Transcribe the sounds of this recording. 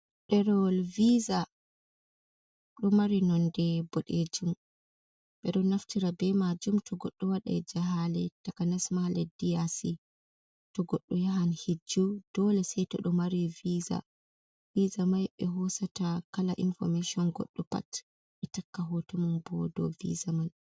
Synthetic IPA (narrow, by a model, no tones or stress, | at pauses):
ɗɛɾɔlviza | ɗɔmaɾinɔndɛbɔɗed͡ʒum | ɓɛɗɔnaftiɾabɛmad͡ʒumtɔɡɔɗːɔwaɗa̰ɛd͡ʒaɦalɛtakanasmalɛdijasi | tɔɡɔɗːɔjaɦanhid͡ʒːud̥ɔlɛsɛjtɔ̰ɗɔmaɾiviza̰ | vizamajɓɛɦɔsatakalaʔḭnfɔ̰meʃiɔnɡɔ̰ɗːɔpa̰t | ɓɛtakːaɦɔtɔmunbɔ̰dɔ̰vḭzaman